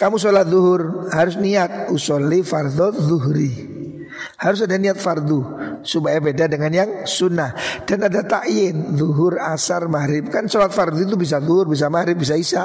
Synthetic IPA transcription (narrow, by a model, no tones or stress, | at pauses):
kamus̬olat̪̚ðuɦʊrhaɾʊs̬niat̪̚usɔlifard̪ɔðuɦɾi | haɾʊs̬adaniat̪̚fard̪usubajabedadəŋanjaŋsunahd̥anadat̪aʔjɪnðuɦʊrasarmaɾɪp̚kansolat̪̚fard̪uit̪̬ubis̬aðuɦʊrbis̬amaɾɪp̚bis̬aisa